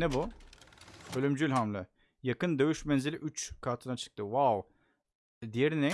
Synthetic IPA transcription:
nɛbu | ølʲymd͡ʒylʲɦamlʲɪ | jakɯnd̪ø̞jyʃmɛnzilʲiʔyt͡ʃkʰaɾt̪ʰɯnat͡ʃʰɯ̥k̚t̪ʰɯwaw | d̪ijeɾinɛ

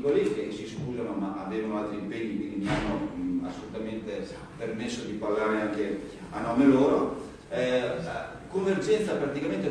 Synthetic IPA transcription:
kalist̪esiskuzamomaʔavɛːvanoalt̪ɾiːmpeɲːikwind̪inianːoa̰sːolut̪ament̪e | permesːod̪iparlaːɾeaŋke | anɔmeloːɾo | ɛ | koɱverd͡ʒɛnt̪sapɾat̪ikament̪e

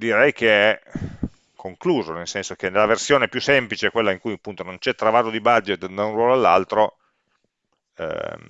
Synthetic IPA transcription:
d̪iɾɛjk̟eɛ | kʰːoŋkluːzonelsɛnsok̟enelːaversjoːnepjusemplit͡ʃekwelːaiŋkujapːunt̪onont͡ʃɛt̪ːɾavaːt̪od̪ibad͡ʒːet̪d̪aunrwɔːloalːalt̪ɾo | ɛ̰

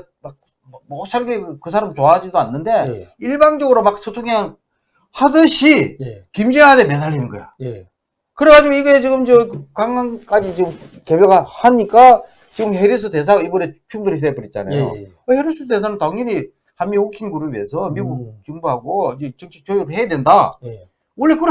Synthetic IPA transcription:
mak̚ | mʌs͈ʰaɭɡekɯs̬ʰaɾamt͡ɕoad͡ʑidoanːɯnde̞iɭbaŋd͡ʑʌɡɯɾomak̚s͈ʰɯtʰoŋaŋ | hadɯɕʰikimd͡ʑiŋademedaɭːininɡʌjo̰ | kɯɾekad͡ʑiɡoiɡe̞t͡ɕiɡɯmt͡ɕʌkkaŋɡank͈ad͡ʑit͡ɕiɡɯm | kebjʌɡahaɲik͈a | t͡ɕiɡɯmheɾis̬ʰɯtes̬ʰaɡoibʌɾe̞t͡ɕʰuŋdoɾis̬ʰepɯɾit̚t͡ɕ͈a̰na̰jo̰ | aheɾisʰɯdes̬ʰanɯntaŋɲiɾi | hamːiokʰinɡuɾɯbiesʰʌmiɡut͡ɕɯŋbuɦaɡoid͡ʑet͡ɕɯt͡ɕʰik̚t͡ɕojiɾohe̞jadwenda | uɭːikɯ

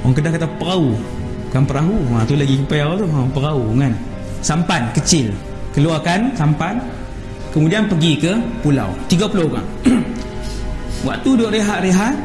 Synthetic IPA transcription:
aŋkədakat̪apəɾau | kanpəɾaɦuãt̪ulaɡikəpajaat̪uapəɾauŋan | sampankət͡ʃɪl | kəluakansampan | kəmudianpəɡikəpula̰wt̪iɡapulooɣa̰ŋ | wa̰ʔt̪udoʔɾeɦaʔɾeɦaʔ

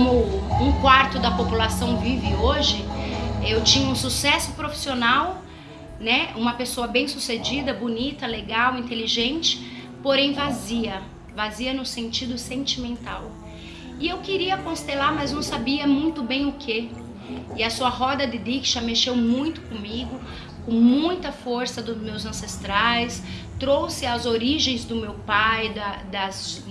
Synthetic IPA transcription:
omʊũkwaɾt̪ʊd̪ɐpopulasɐ̃w̃vivɪoʒɪewt͡ʃĩɲɐũsusɛsʊ̥pɾofi̥sionaw | nɛũmɐpesoɐbẽj̃sused͡ʒid̪ɐbunit̪ɐleɡawĩnt̪eliʒẽnt͡ʃɪ̥ | poɾẽj̃vaziɐ | vaziɐnʊsẽnt͡ʃid̪ʊsẽnt͡ʃimẽnt̪aw | ɪewkɪɾiɐkõst̪elaɾmɐznɐ̃w̃sabiɐmũj̃t̪ʊbẽj̃ʊkʰe | ɪɐsuɐɦɔd̪ɐd̪ɪd̪ikʒameʃewmũj̃t̪ʊ̥kõmiɡʊ | kõmũj̃t̪ɐfoɾsɐd̪ʊzmewzɐ̃sest̪ɾajs | t̪ɾowsɪɐzoɾiʒẽj̃zd̪ʊmewpajd̪ɐd̪ɐs

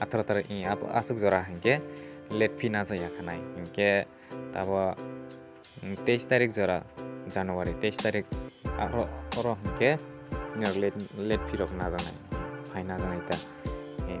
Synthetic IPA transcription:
atʰaɾatʰaɾʔĩaa̰sɯk̚zɔɾaɦankɛlet̚pʰinazajakʰanajhinke | ta̰βɔ | tejstaɾik̚zɔɾazanɔwaɾitejstaɾik̚a̰ɾɔɔɾɔɦinke | nɔɾllet̚pʰiɾɔknazana̰jpʰajnazanajta | i

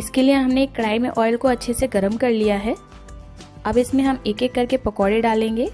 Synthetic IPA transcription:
ɪskelieɦɐmneːkːɾaːɪmeʔɔːɪlkoɐtːʃʰeseɡɐɾəmkɐɾlijaɦɛː | ɐbɪsmẽɦɐmeːkekːɐɾkepɐkɔːɽeɖaːlẽːŋɡeː

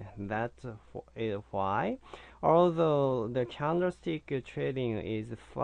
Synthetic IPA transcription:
ðætɪwaɪɔlðoʊðɨkʰãʊ̃ndə˞stɪktʰɹeɾɪ̃ŋɪ̰zfa

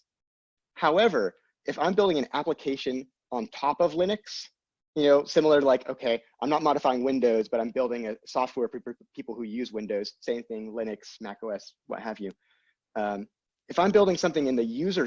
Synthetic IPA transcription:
haʊɛvə˞ | ʔɨfãɪ̃mbɪlˠdɪ̃ŋɨ̃næpləkʰeɪʃɨ̃n | ə̃ntʰɑpʌvlɪ̃ñɨks | jɨnoʊsɪ̃ml̩ˠə˞ɾəlaɪkʰo̰ʊkʰeɪãɪ̃mnət̚mɑɾɨfaɪɪ̃ŋwɪ̃ndoʊzbʌɾãɪ̃mbɪlˠdɪ̃ŋɨsɔft̚wɛɹpʰpʰipl̩ˠhʉjʉzwɪ̃ndoʊz̥sẽɪ̃mθɪ̃ŋlɪ̃nɨksmækoʊɛswʌ̰t̚hɨvjʉ | ʌ̃m | ɨfãɪ̃mbɪlˠdɪ̃ŋsʌ̃mθɪ̃ŋɨ̃nðɨjʉzə˞

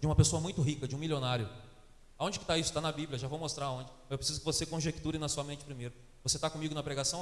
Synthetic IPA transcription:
d͡ʒɪũmɐpesoɐmũj̃t̪ʊɦikɐd͡ʒɪũmiljonaɾjʊ | aõd͡ʒɪkɪ̥t̪aisʊ̥t̪anɐbibljɐʒavowmost̪ɾaɾɐõd͡ʒɪewpɾesizʊkɪvosekõʒekt̪uɾɪnɐsuɐmẽnt͡ʃɪ̥pɾimejɾʊ | voset̪akõmiɡʊnɐpɾeɡasɐ̃

